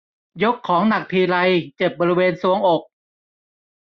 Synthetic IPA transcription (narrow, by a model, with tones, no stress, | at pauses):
jo˦˥kʰːɔː˩˦ŋna˨˩k̚t̪ʰiː˧la˧jt͡ɕe˨˩p̚bɔː˧ɾi˦˧weː˧nsu˩˦əŋʔo˨˩k̚